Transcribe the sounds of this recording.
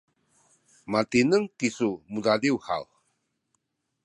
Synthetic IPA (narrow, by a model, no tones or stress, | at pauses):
mat̪inəŋkisumudadiwha̰w